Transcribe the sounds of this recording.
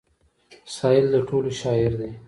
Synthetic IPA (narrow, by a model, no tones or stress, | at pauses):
sɑjɪld̪əʈʰoloʃɑɪɾd̪e